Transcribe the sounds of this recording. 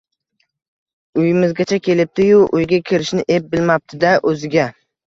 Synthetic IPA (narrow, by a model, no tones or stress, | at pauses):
ʊjɪmɪzɡʲat͡ʃʰakʲʰe̞lɪp̚t̪ʰɪjʊʔʊjɡʲakʲʰɪɾɪʃnɪʔep̚bɪlmap̚t̪ʰɪd̪aʔɵzɪɡʲa